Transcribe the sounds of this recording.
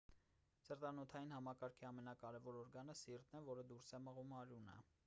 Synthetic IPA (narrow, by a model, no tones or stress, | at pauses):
səɾt̪ɑnɔt̪ʰɑjinhɑmɑkɑɾkʰiɑmɛnɑkɑɾɛvɔɾɔɾɡɑnəsirt̪nɛvɔɾəd̪uɾsɛməʁumɑɾjunɛ̰